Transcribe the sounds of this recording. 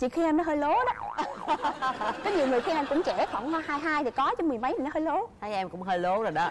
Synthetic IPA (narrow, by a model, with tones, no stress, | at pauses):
t͡ɕḭ˧˨xi˧ʔɛ˧mnɔ˨˦ɦəː˧jlo˨˦ɗɔ˨˦ | kɔ˨˦ɲi˨˩wŋɨ˨˩əjxi˧mʔɛ˧mkʊ̰˧˥ŋ͡mt͡ɕɛ˧˩fə˧˩ŋ͡mhɔ˧haː˧jɦaː˧jt̪ʰi˨˩kɔ˨˦t͡ɕɔ˨˦mɨ˨˩əjmə˨˦jmi˨˩nɔ˦ɦəː˧jlo˨˦haː˧jʔɛ˧mkʊ̰˧˥ŋ͡mɦəː˧jlo˨˦zo˨˩jɗɔ˨˦